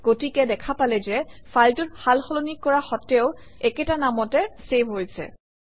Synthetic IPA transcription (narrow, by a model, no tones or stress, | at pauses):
ɡ̥otikɛdɛkʰapalɛzɛfʰaltʊthalxɔlonikːɔɹaxɔtɛʊ | ɛkɛtanamɔtɛsebʱɦojsɛ̰